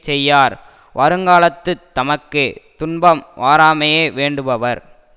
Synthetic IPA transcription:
t͡ʃɛjːaːɾ | ʋʔɐɾɯŋɡaːlɐt̪ːɯt̪ːɐmɐkːɯt̪ʊɳbɐmʋaːɾaːmɐjeːʋeːɳɖɯʋɐʋɐɾ

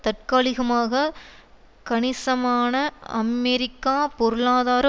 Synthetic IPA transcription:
t̪ɐʈ̚kaːɭɪɣɐmaːɣɐ | kɐɳɪsɐmaːnɐɐmɛɾɪkːaːpɔɾɯɭaːðaːɾ

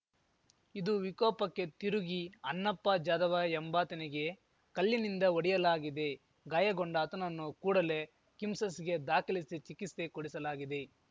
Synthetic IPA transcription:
id̪uʋikɔːpɐkːe̞t̪iɾuɡiɐnːɐpːɐd͡ʒaːd̪ɐʋɐɛmbaːt̪ɐniɡe̞ | kɐlːinind̪ɐoɽijɐlaːɡid̪e̞ | ɡaːjɐɡoɳɖɐːt̪ɐnɐnːukuːɽɐle̞ | kimsɐsiɡe̞d̪aːkɐlisit͡ʃikist̪ekoɽisɐlaːɡid̪e̞

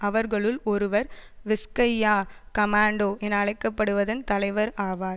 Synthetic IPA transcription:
ɐʋɐɾɣɐɭɯlɔɾɯʋɐɾʋɪskɐjːaːkɐmaːɳɖoːʔɛnɐɐɭɐɪkːɐpːɐɽɯʋɐðɐnt̪ɐlɐɪʋɐɾaːʋaːɾ

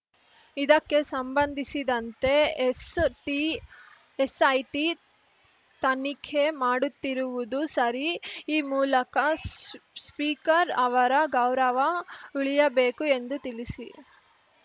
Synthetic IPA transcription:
id̪ɐkːe̞sɐmbɐnd̪ʱisid̪ɐnt̪e̞sʈi | esɐjʈi | t̪ɐnikʰemaːɽut̪ːiɾuʋud̪usɐɾiiːmuːlɐkɐ | spiːkɐɾɐʋɐɾɐɡɐwɾɐʋɐuɭijɐbeːkue̞nd̪ut̪ilisi

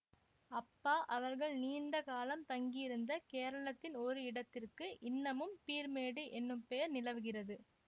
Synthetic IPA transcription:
ɐpːaːʔɐʋɐɾɣɐɭniːnd̪ɐkaːlɐmt̪ɐŋɡɪjɪɾɯnd̪ɐkeːɾɐɭɐt̪ːɪnɔɾɯɪɽɐt̪ːɪrkɯʔɪnːɐmɯmpiːɾmeːɽɯʔɛnːɯmpejɐɾnɪlɐʋɯɣɪrɐðɯ

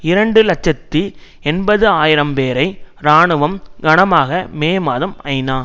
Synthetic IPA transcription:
ɪɾɐɳɖɯlɐt͡ʃːɐt̪ːi | ɛnbɐðɯaːjɪɾɐmpeːɾɐɪɾaːɳɯʋɐmɡɐnɐmaːɣɐmeːmaːðɐmɐɪnaː

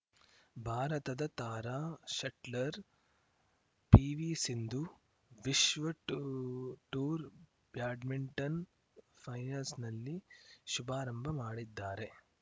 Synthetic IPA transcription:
bʱaːɾɐt̪ɐd̪ɐt̪aːɾaːʃɐʈlɐɾ | piːʋisind̪u | ʋiʃʋɐ | ʈuːɾ | bjaːɖmiɳʈɐn | pʰɐjɐɾsnɐlːiʃubʱaːɾɐmbʱɐmaːɽid̪ːaːɾe̞

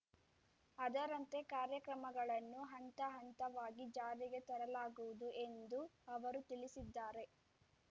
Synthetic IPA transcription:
ɐd̪ɐɾɐnt̪e̞kaːɾjɐkɾɐmɐɡɐɭɐnːuɦɐnt̪ɐɦɐnt̪ɐʋaːɡid͡ʒaːɾiɡe̞t̪ɐɾɐlaːɡuʋud̪ue̞nd̪uɐʋɐɾut̪iɭisid̪ːaːɾe̞

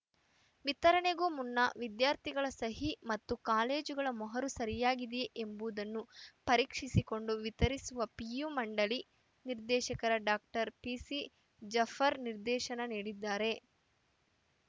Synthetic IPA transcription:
ʋit̪ɐɾɐɳeɡuːmunːɐʋid̪jaːɾt̪ʰiɡɐɭɐsɐɦimɐt̪ːukaːleːd͡ʒuɡɐɭɐmɔɦɐɾusɐɾijaːɡid̪eeʔembuʋd̪ɐnːupɐɾiːkʂisiko̞ɳɖuʋit̪ɐɾisuʋɐpijumɐɳɖɐli | niɾd̪ɛːʃɐkɐɾɐɖaːk̚ʈɐɾpisi | d͡ʒɐfʰɐɾniɾd̪ɛːʃɐnɐniːɽid̪ːaːɾe̞

